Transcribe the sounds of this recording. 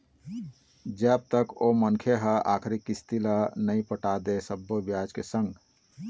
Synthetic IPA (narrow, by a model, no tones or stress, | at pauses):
d͡ʒəb̚t̪əkomənkʰeɦəa̰ːkʰɾikist̪ilənəĩpəʈaːd̪esəbːobjaːd͡ʒkesə̃ŋɡ